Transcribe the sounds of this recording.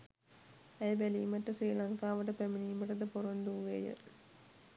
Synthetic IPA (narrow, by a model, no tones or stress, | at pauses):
æjbæliːmɐʈːɐsejlɐŋkaːʋɐʈɐpæminiːmɐʈːɐd̪ɐpoɾond̪uʋʋeːjə̰